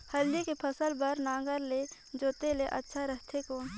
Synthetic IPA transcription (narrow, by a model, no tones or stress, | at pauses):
həld̪ekepʰəsəlbəɾnaːɡəɾle | d͡ʒoːt̪eleʔətːʃʰaɾəɦt̪ʰekoːn